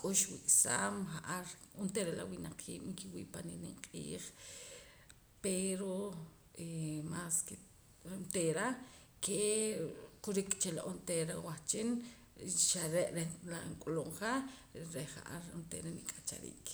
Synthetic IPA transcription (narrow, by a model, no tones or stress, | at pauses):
kʼuʃwikʼsaːmχaʔaɾunt̪eɾela̰winaq͡χʰiːɓ̥ŋkiwḭːʔpaniniɴqʼḭːχ | peɾo | emaske | nt̪eɾa | ke | kuɾikʼt͡ʃeloʔont̪eɾawaχt͡ʃin | ʃaɾeʔɾelaŋkʼuloɴχaɾeχa̰ʔa̰ɾunt̪ḛɾenikʼat͡ʃa̰ɾḭːk